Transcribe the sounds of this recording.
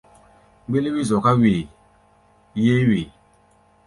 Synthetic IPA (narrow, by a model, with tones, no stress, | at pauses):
ɡ͡be˦le˦wi˦zɔ˨ka˦we˨ | je˦we˨